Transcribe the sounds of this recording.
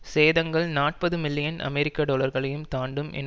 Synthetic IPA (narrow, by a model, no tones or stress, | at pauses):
seːðɐŋɡɐɭnaːʈ̚pɐðɯmɪlːɪjɐnʔɐ̰mɛɾɪkːaːɖoːlɐɾɣɐɭɐjɯmt̪aːɳɖɯmʔɛ̰n